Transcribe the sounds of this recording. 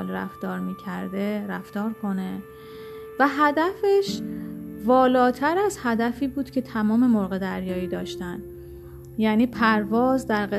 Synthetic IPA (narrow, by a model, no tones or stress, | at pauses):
lɾæ̰ft̪ɒːɾmiːcʰæɾd̪e̞ɾæft̪ɒːɾkʰo̞ne̞ | væɦæd̪æfeʃ | vɒːlɒːt̪ʰæɾæzhæd̪æfiːbuːd̪̥cʰe̞t̪ʰæmɒːme̞moɾɣe̞d̪æɾjɒːiːd̪ɒːʃt̪æn | jæːniːpʰæɾvɒːzd̪æɾɢe